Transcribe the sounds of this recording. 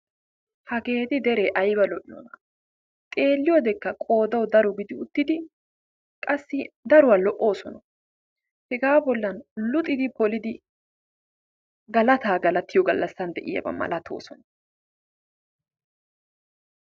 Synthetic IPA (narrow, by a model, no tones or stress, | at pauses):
hɐɡe̞ːd̪ɪd̪ɛɾeʔɐjbɐlɔʔnɔ̰nɐ | t̪ʼe̞ːlːɪjɔd̪ɛkːɐkʼo̞ːd̪ɐwd̪ɐɾɔɡɪd̪ɪʊt̪ːɪd̪ɪ | kʼɐsːɪd̪ɐɾʊwɐlɔʔo̞ːsɔnɐ | hɛɡaːbɔlːɐnlʊt̪ʼɪd̪ɪpɔlɪd̪ɪ | ɡɐlɐt̪aːɡɐlɐt̪ːɪjɔɡɐlːɐsːɐnd̪ɛʔɪ̰jɐ̰bɐ̰mɐ̰lɐt̪ʰo̰ːsɔnɐ